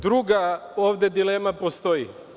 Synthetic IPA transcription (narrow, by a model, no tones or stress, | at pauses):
d̪ɾuɡaoːʋd̪ed̪ileːmapost̪ojḭ